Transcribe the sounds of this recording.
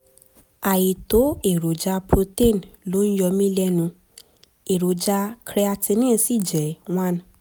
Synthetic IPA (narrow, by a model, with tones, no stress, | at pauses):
a˨ji˨to˨˦e˨ɾo˨d͡ʒa˧pɾo˧te˦˨nlo˨˦ñ̩˦jɔ˧mĩ˦lɛ˦nũ˧ | e˨ɾo˨d͡ʒa˧kɾe˧a˧ti˧nĩː˦si˦˨d͡ʒɛ˨w̃ã˦˨n˨